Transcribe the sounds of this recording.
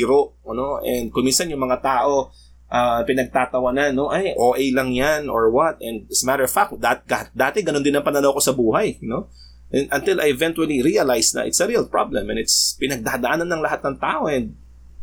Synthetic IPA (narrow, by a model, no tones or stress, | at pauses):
ɾoʔɐnoʔɛnd̪̚kʊŋminsɐnjʊŋmɐŋat̪aːʔo̞ | ʔɐpɪnɐɡ̚t̪aːt̪ɐwɐnanːo̞ʔɐjʔoːʔɛjlɐŋjanoɹwɐt̪̚ʔɛnd̪̚ɪsmat̪əɹfak̚d̪at̪̚ɡad̪aːt̪ɛɡɐnond̪ɪnɐŋpɐnɐnɐwko̞sɐbuːɦajno̞ | ʔɛ̃nʔɐnt̪ɪlʔɐ̰jɛvɛnt̪uwɐliɾiɐlajsnɐ̰ʔɪ̰t̪sɐɾiːɐlpɹa̰blɛ̃mɛnɪt̪spɪnɐɡ̚d̪aːd̪ɐʔaːnɐnːɐŋlɐɦat̪nɐŋt̪a̰ːʔoɛnd̪̚